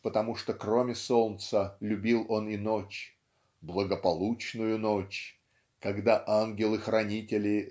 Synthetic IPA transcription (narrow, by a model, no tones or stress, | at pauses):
pət̪ɐmuʂt̪okromʲɪso̞lˠt̪səlʲʊbʲilˠo̞ninot͡ɕ | blˠəɡəpɐlˠut͡ɕnʊjʊnot͡ɕ | kɐɡd̪aʔanɡʲɪlˠɨxɾɐnʲitʲɪlʲɪ